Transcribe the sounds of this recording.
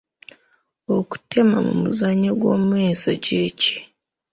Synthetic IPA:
oku̥te̞mamṵmuzaɲːoɡwo̞ːmweːsaɟeːci̥

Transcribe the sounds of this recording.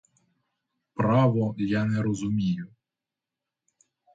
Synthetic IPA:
pɾɑʋɔjanɛɾɔzʊmʲijʊ

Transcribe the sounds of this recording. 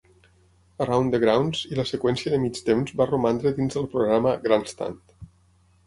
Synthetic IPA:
ərawnd̪əɣɾawnziləsəkwɛnsiəðəmit͡ʃt̪emzbarumand̪ɾəd̪inzðəlˠpɾoɣɾaməɣɾanst̪a̰nt̪

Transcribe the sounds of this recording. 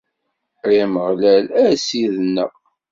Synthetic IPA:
ɾiməʁlælæsiðnːə̰ʁ

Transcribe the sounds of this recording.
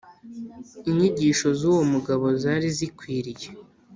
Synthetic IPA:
iɲiɟiːʃo̞zuːwomuɡaβo̞zaɾizikwiːɾije

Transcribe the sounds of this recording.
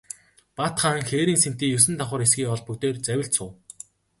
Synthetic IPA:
pat̪χaːŋxeːɾiːŋsen̥t̪iːjɵs̬ɘ̆nt̪aχʊːɾesɡiːɔɮpɵkt̪eːrt͡sæwʲɪ̆ɬt̪sʊː

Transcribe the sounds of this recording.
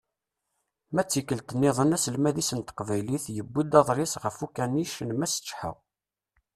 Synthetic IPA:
mæt͡sːikːəlt̪ənːɪðˤənæsəlmæðisənt̪ə̥qvæjliθjəbːid̪ɑðˤɾɪsʁəfukænːiʃənmæsə̥t͡ʃːħa̰w

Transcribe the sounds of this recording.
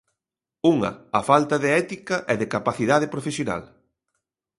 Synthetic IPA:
uŋɐ̰afalt̪ɐðɪɛt̪ikɐʔɛðekapaθiðað̞ɪpɾofesjona̰l

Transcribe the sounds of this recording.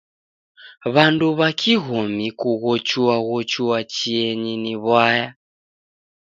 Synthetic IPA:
βanduβakiɣomikuɣɔt͡ʃuwaɣɔt͡ʃuwat͡ʃiɛɲiniβwaja

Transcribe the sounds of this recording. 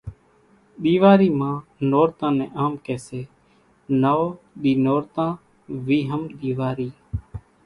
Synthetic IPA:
ɗ̪iːʋaːɾiːmãːnoːɾt̪ãːnɛ̰̃ːʔaːmkeːseː | naːoː | ɗiːnoːɾt̪ãː | ʋiːɦəmɗ̪iːʋaːɾiː

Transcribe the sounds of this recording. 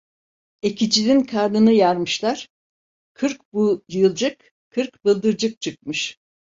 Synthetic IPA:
ecʰid͡ʒinʲinkʰaɾnɯnɯjaɾmɯʃlˠaɾ̥ | kʰɯɾk̚bujɯlˠd͡ʒɯk | kʰːɯɾkbɯlˠd̪ɯɾd͡ʒɯk̚t͡ʃʰɯk̚mɯʃ

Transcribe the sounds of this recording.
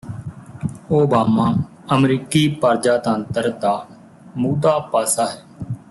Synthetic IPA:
oːbaːmaː | əmɾiːkiːpəɾd͡ʒaːt̪ə̃nt̪əɾd̪aː | muːd̪aːpaːsaːɦɛː

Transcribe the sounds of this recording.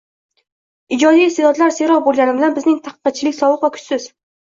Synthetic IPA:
ɪd͡ʒɒd̪ijselɒt̪laɾseɾɒbolˠɡʲanɪbɪlanbɪznɪŋt̪ʰɑqʰə̥qɑt̪̚t͡ʃʰɪlɪkʲsɒwɨqvakʲʰʊ̥t͡ʃ̪sɪz̥

